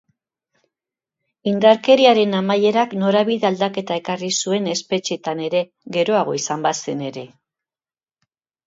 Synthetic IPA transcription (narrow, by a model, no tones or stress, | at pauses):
ind̪aɾke̞ɾiaɾe̞namaje̞ɾakno̞ɾaβiðeald̪ake̞t̪ae̞karisue̞ne̞spe̞t͡ʃet̪ane̞ɾe̞ | ɣe̞ɾo̞aɣ̞o̞isambase̞ne̞ɾe̞